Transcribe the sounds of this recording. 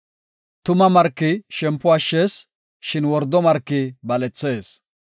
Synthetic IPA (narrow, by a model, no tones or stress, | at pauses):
t̪ʊmɐmɐɾkːɪʃɛmpːʊɐʃːeːs | ʃɪnwɔɾd̪ɔmɐɾkːɪbɐlɛt͡sːe̞ːs